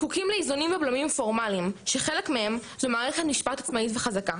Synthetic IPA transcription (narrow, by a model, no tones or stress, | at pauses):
kukimleizunimveblomimfo̞ʁmalimʃeχe̞lekmehe̞mzumaːʁeχe̞t̪niʃpatat͡smaitveχazaka